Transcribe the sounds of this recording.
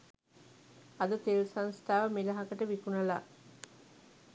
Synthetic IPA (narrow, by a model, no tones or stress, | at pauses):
ɐd̪ət̪elsanst̪ʰaːʋəmilɐɦakəʈəʋikunɐla̰